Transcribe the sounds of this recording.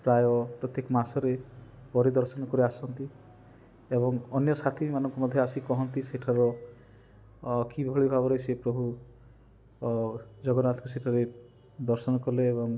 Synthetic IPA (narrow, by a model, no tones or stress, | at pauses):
pɾajɔpɾɔt̪jekɔmasɔɾepɔɾid̪ɔɾsɔnɔkɔɾeasɔnt̪i | ebɔŋɔnjɔsat̪ʰiimanɔŋkɔmɔd̪ʱjɔasikɔɦɔnt̪iseʈʰaɾɔ | kibʱɔɭibʱabɔɾɔjt͡ʃʰepɾɔbʱu | d͡ʒɔɡɔnat̪ɔkuseʈʰaɾe | d̪ɔɾsɔnɔkɔleːbɔŋ